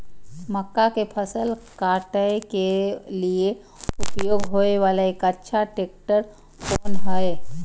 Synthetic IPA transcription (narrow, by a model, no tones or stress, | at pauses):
məkːakepʰəsəlkaʈəekelie | ʊpjoːɡɦoeʋalaekətːʃʰaʈek̚ʈəɾ | pʰoːnɦəe